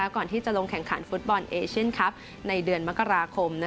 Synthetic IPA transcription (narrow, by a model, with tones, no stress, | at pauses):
ɛː˦˥wkɔː˨˩nt̪iː˥˩t͡ɕa˨˩lo˧ŋkʰɛ˨˩˦ŋkʰa̰˩˦nfu˦˥t̪̚bɔ˧nʔeː˧t͡ɕʰi˦˥˩nkʰa˦˥p̚ | na˧jdɯ˧ənma˦˥kːa˧ɾaː˧kʰo˧mna˦˥